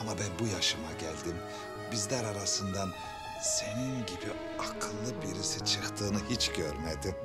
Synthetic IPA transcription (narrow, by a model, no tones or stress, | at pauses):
amabænbujaʃɯmaɟælʲd̪im | bizlʲæɾaɾasɯnd̪an | se̞ninɟibi | akʰɯnlˠɯbiɾisit͡ʃʰɯkt̪ʰɯːnɯhit͡ʃɟøɾmed̪i